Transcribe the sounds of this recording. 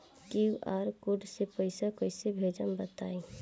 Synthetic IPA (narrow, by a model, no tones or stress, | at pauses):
kiʔaːɾkʊɖsepəɪsakoɪsebʱeːd͡ʒəmbət̪aːe